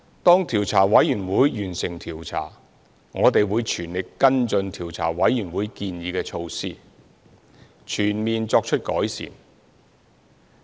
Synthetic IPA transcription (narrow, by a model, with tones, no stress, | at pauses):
t̪ɔː˥ŋt̪ʰiː˨˩wt͡sʰaː˨˩wɐ˨˥jjyː˨˩nwuː˨˧jːyː˨˩nsɪ˨˩ŋt̪ʰiː˨˩wt͡sʰa̰ː˨˩ | ŋɔː˨˧t̪e˨jwuː˨˧jt͡ʃʰyː˨˩nlɪ˨kːɐ˥nt͡sɵ˧nt̪ʰiː˨˩wt͡sʰa̰ː˨˩wɐ˨˥jːyː˨˩nwuː˨˧jkiː˧njiː˨˧kɛː˧t͡ʃʰo˧wsiː˥ | t͡ʃʰyː˨˩nmiː˨nt͡sɔː˧k̚t͡ʃʰɵ˥t̚kɔ̰ː˨˥jsḭː˨˩n